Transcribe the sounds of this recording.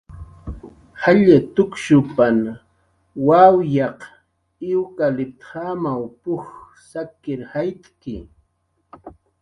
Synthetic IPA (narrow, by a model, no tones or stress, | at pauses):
haʎat̪ʊkʃʊpan | wawjɑq | ɪwkalɪt̪hamawpʊx | sakɪɾhajt̪kɪ̰